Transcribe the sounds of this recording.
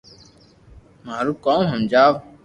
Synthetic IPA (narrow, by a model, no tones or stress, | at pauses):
maːɾuːkõːmɦəmd͡ʒaːʋ